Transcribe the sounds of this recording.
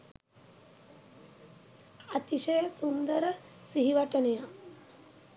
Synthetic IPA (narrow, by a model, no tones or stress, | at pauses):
ɐt̪iʃɐjɐsund̪ɐɾɐ | siɦiʋɐʈɐnɐja